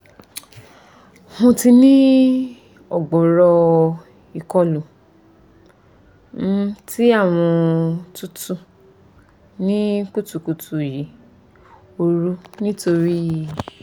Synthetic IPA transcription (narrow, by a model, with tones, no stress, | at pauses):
hũ˧ti˧nĩ˦ | ɔ˦˨ɡ͡bɔ˨ɾɔ˧ | i˨kɔ˦lu˨˦ | ti˦a˦˨w̃ɔ̃˧tu˦tu˧ | nĩ˦ku˦tu˧ku˧tu˧˨ji˨˦ | o˧ɾu˦nĩ˦to˧ɾi˦ji˦˨